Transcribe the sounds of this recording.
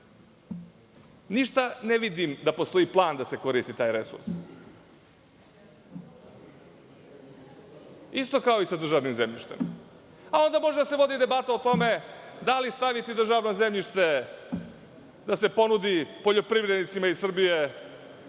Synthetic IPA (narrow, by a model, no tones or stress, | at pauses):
niʃt̪aneʋid̪imd̪apo̞st̪o̞iplˠaːnd̪ase̞ko̞ɾist̪it̪aːjɾe̞sṵɾs | ist̪o̞kao̞isad̪r̩ʒaːʋnimzemʎiʃt̪e̞̰m | ao̞nd̪amo̞ʒed̪ase̞ʋo̞d̪id̪e̞bat̪aot̪o̞me̞d̪alist̪aʋit̪id̪r̩ʒaʋnoze̞mʎiʃt̪e̞ | d̪ase̞po̞nud̪ipo̞ʎo̞pɾivɾe̞d̪nit̪simaisr̩bije̞